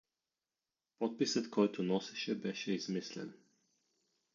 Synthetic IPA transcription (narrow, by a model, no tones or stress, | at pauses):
pɔt̪̚pisəd̪kʰɔt̪ʰunɔsɛ̥ʃɛbɛʃɛizmɪslɪ̰̃n